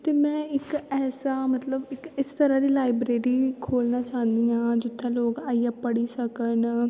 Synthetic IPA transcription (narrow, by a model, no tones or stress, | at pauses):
t̪eːmɛ̃ːɪkɛːsaːmət̪ləbɪkɪst̪əɾãd̪iːlaːɪbɾeːɾiːkʰoːlnaːt͡ʃãːnd̪iːãːd͡ʒɪt̪ʰːẽloːkaːiːaːpəɽiːsəkən